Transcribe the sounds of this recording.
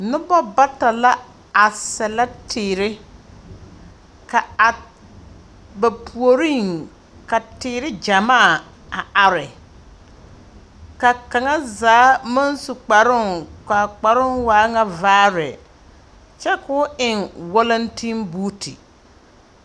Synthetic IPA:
nʊ˦bɔ˦ba˦ta˨la˦ | a˨sɛ˨la˦tʰɪː˨ɾɪ˦ | ka˨a˨ | ba˨pʰu˨o˨ɾi˦˨ŋ | ka˨tɪː˨ɾɪ˦d͡ʒa˨maː˦˨ | a˨a˨ɾɪ˨ | ka˨ka˨ŋa˦zaː˨˦ma˦nsʊ˨k͡pa˨ɾʊ˦ŋka˨k͡pa˨ɾʊ˦nwaː˨˦ŋa˦vaː˦ɾɛ˨ | t͡ʃɛ˦kʊ˦ɪ˨ŋwɔ˦la˦ntʰi˦nbuː˦tʰi˨

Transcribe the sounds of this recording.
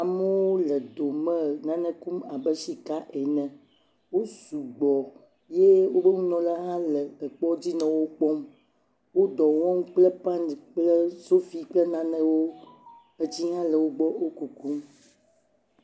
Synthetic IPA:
a˨mɛ˦wo˦lɛ˨d̪o˨mɛ̃˦nã˦nɛ̃˦ku˦ma˨bɛ˦si˨ka˦ʔɛ˨nɛ̃˨ | wo˦su˨ɡ͡bɔ˨ | je˦wo˦be˦ŋũ˦nɔ̃˨la˦ɦã˦lɛ˨ə˨k͡pɔ˦d͡ʑi˦nɛ̃˨wo˦k͡pɔ˦m | wo˦d̪ɔ˨wɔ̃˦ŋũ˦k͡plɛ˦pã˦n˨k͡plɛ˦so˦fi˦k͡plɛ˦nã˨nɛ̃˦wo˦ | e˨d͡ʑi˦ɦã˦lɛ˨wo˦ɡ͡bɔ˦o˦ku˨ku˦m

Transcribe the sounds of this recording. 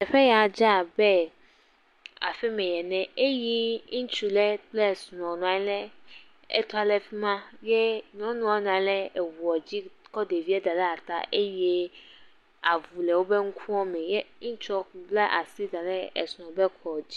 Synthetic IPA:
ɛ˨ɸɛ˦ja˨d͡ʒa˦˨bɛ˦ | a̰˨fɛ˦mɛ̃˨jɛ˨nɛ̃˦e˦ji˦ŋĩ˦t͡ʃu˨lɛ˦blɛ˦˨snɔ̃˨nũ˨a˨˦lɛ˦ | ḛ˦t̪o˦a˦lɛ˦fi˦mã˦je˦nɔ̃˦nũ˦a˦n˨ã˨˦lɛ˦e˨wu˨ɔ˨d͡ʑi˦kɔ˦de˨vi˦ɛ˦d̪a˨lɛ˦a˨t̪a̰˨ʔe˦jɛ˦ | a˨vu˨lɛ˨wo˦be˦ŋu˦kʰũ˦ɔ˦mɛ̃˨jɛ˦ŋĩ˦t͡ʃɔ˦ku˨blɛ˦ʔa˨si˦d̪a˨lɛ˦ḛ˨snɔ̃˨bɛ˦kʰɔ˨d͡ʑi˦

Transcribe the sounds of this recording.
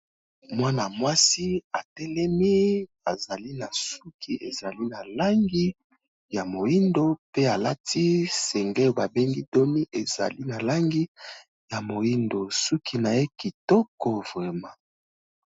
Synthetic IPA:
mwa˦na˨mwa˦si˦a˨tɛ˦lɛ˦mi˦ | a˨za˨li˦na˨su˦kʰi˦ʔḛ˨za˨li˦na˨la˦ŋɡi˦ | ja˨mo˨i˦ndo˦pe˦a˨la˦tʰi˦sɛ˨ŋɡɛ˦˨ba˨be˦ŋɡi˦do˦ni˦ʔe˨z̥a̰˨li˦na˨la˦ŋɡi˦ | ja˨mo˨ji˦ndo˨su˦kʰi˦na˨e˦ki˨to˦ko˨ve˨ma˨

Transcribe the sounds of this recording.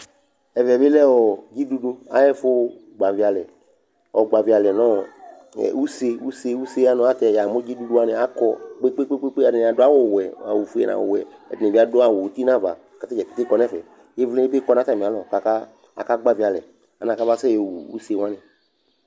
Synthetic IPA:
ɛ˨vɛ˨be˦lɛ˦wɔ˨d͡ʒi˦du˦do˧a̰˦jɛ˦fʊ˦ | ɡ͡ba˨vi˨a˨lɛ˨ | ɔ˨ɡ͡ba˨vi˨a˨lɛ˨nɔ˦ | ɛ̰˨u˦se˧u˦se˧u˦se˦a˦nɔ̃˨˦a˦t̪ɛ˨ja˨mʊ˦d͡ʒi˦du˦du˦a˦nɪ˨a˦kɔ˧k͡pe˦k͡pe˦k͡pe˦k͡pe˦k͡pe˦a˨nɪ̃˨˧˨a˨dʊ˦a˦wo˦˨wɛ˨a̰˨wu˨fu˦ɛ̰˨nʔã̰˨wo̰˨wɛ̰˨ɛ̰˨dnɪ̃˨vi˨˦a˦dʊ˦a˨wʊ˨t̪i˦nã˦va̰˨ | ka˨t̪e˦d͡ʒɛ˨ki̥˨˦te˦kɔ˧˦nɛ˦˨fɛ̰˨ | je˦vli˦e˦be˦kɔ˦nã˨˦t̪a˦˨me˨a˨˦lɔ˨ka˨ka˦ | a̰˨ka˦ɡ͡ba˨vi˨a˨lɛ̰˨ | a˨nã˨ka˦va˦sɛ˦e˨wṵ˨ṵ˦se˨wa˦nɪ̃˨

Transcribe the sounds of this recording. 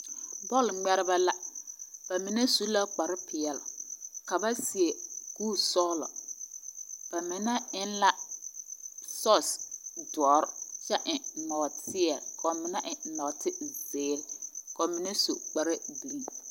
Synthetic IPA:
bɔ˦˨lŋ͡mɛ˦ɾɪ˦ba˦la˦ba˨mɪ˨ne˦su˦la˦k͡pa˨ɾɪ˦pʰɪ˨ɛ˨lʊ˨ka˨ba˦si˨e˨kuː˦sɔː˦lɔ̰˨ | b̥a˨mɪ˨na˦ɪ˦nla˦ | sɔ˦sdɔ˨˦ɾt͡ʃɛ˦ʔɪ˨nɔː˨tʰɪ˦ɛ˨kʰɔ˨mɪ˨na˦ʔɪ˨nɔː˨tʰɪ˦zeː˨˦lkɔ˨mɪ˨ne˦so̰˨k͡pa˨ɾɪ˦di˨li˨ŋ

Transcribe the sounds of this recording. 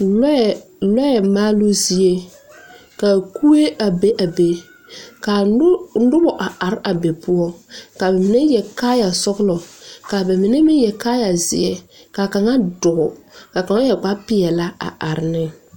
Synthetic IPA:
l | lɔ˦jɛ˨maː˦lo˦zi˦e˦ | ka˨ku˦e˦ʔa˨be˦ʔa˨be˨ | ka˨˦dʊ˦bɔ˨ʔa˨ʔa˨ɾa˨be˨pu˦ɔ˦ka˨bɛ˨mi˨ne˦jɛ˨kaː˦ja˨sɔ˦ɣlɔ˨ka˨be˨mɪ˨ne˦mɪ˦jɛ˨kaː˦ja˨zɪ˨ɛ˦ka˨ka˨ŋa˦dʊ˨ɡʊ̰˨ka˨ka˨ŋa˦jɛ˨k͡pa˦pɪ˨ɛ˨la˦a̰˨ʔa˨ɾɪ˨nɪ˦

